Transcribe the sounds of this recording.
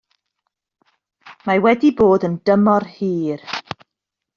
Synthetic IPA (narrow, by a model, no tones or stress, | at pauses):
mawɛdiboːdəndəmɔrhiːr